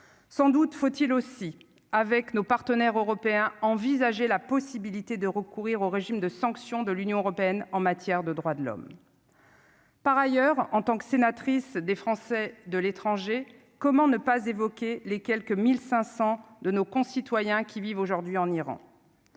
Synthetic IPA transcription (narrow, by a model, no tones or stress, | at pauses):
sɑ̃d̪ut̪fot̪ilosi | avɛknopaʁt̪ənɛʁøʁɔpeɛ̃ɑ̃vizaʒelapɔsibilit̪ed̪əʁəkuʁiʁoʁeʒimd̪əsɑ̃ksjɔ̃d̪əlynjɔ̃øʁɔpeɛnɑ̃mat̪jɛʁd̪əd̪ʁwad̪əlɔ̰m | paʁajœʁɑ̃t̪ɑ̃ksenat̪χisd̪efχɑ̃sɛd̪əlet̪χɑ̃ʒe | kɔmɑ̃nəpazevɔkʲelekʲɛlkəmilsɛ̃sɑ̃d̪ənokɔ̃sit̪wajɛ̃kʲʰivivoʒuʁd̪ɥiɑ̃niʁɑ̰̃